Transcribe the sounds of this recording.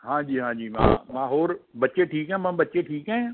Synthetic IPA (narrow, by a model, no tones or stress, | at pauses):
ɦãːd͡ʒiːɦãːd͡ʒiːmã̰ːmãːɦoːɾbɐtːʃeʈʰiːkɦɛ̃ːmãbɐtːʃeʈʰiːkɦɛ̃ː